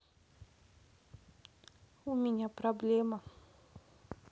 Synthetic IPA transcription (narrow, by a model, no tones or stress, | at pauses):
umiɲəproblemə